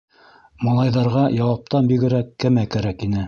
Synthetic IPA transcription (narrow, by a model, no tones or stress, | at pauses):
mɑlˠɑjðɑɾʁɑjɑwɑp̚t̪ɑnbiɡɘ̆ɾækːɘmækæɾækinɘ